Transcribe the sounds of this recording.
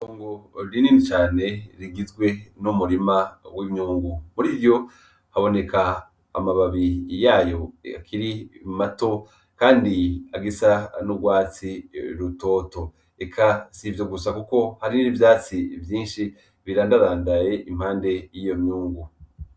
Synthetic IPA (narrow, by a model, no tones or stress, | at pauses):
koːŋɡoɾiniːnit͡ʃaːne̞ɾiɡizɡwe̞numuɾimawimɲuːŋɡumuɾiβjo̞ | haβo̞ne̞kʰa̰ː | maβaβijaːjo̞a̰kʰiɾimato̞ | kaːndiaɡisanubɡwaːt͡siɾuto̞ːto̞ | ekʰasivjo̞ɡusakuko̞haɾinivjaːt͡sivjiːnʃi | βiɾaːndaɾaːndaje̞ʔim̥haːnde̞jijo̞mɲuːŋɡu